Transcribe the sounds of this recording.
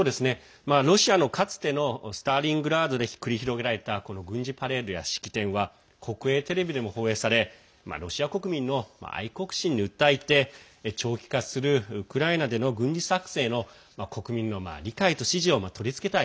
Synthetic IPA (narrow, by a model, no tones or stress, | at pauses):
soːd̪e̞sɨne̞ | maɾo̞ɕiano̞kʰat͡sɨ̥t̪e̞no̞sɨ̥t̪aːɾʲĩŋɡɯ̟ɾaːd̪o̞d̪e̞çi̥kɯ̟ɾʲiçiɾo̞ɡeɾaɾe̞t̪ako̞no̞ɡɯ̟̃ɲ̟d͡ʑipaɾe̞ɾɯ̟ja̰ɕi̥kʲi̥t̪ẽ̞ɰ̃βa | kʰo̞kɯ̟e̞ːt̪e̞ɾe̞bʲid̪e̞mo̞ho̞ːe̞ːsaɾe̞ | ma̰ɾo̞ɕiako̞kɯ̟mʲĩnːo̞ma̰a̰iko̞kɯ̟̥ɕĩɲ̟ːiɯ̟t̪ːait̪e̞ | t͡ɕo̞ːkʲi̥kasɨɾɯ̟ɯkɯ̟ɾainad̪e̞no̞ɡɯ̟̃ɲd͡ʑisakɯ̟̥se̞ːno̞ | mako̞kɯ̟mʲĩnːo̞ma̰ɾʲikait̪o̞ɕiʑio̞mat̪ʰo̞ɾʲit͡sɨ̥ke̞t̪ai